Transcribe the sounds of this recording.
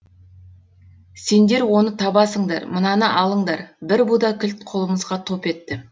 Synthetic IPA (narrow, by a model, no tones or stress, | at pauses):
se̞nd̪e̞ɾwo̞nət̪ʰɑbɑsəɴd̪ɑ̰ɾmənɑnəʔɑlˠəɴd̪ɑɾbɪɾbud̪ɑkʲʰɪlt̪̚qʰo̞lˠəməzʁɑt̪ʰo̞pe̞t̪ːɪ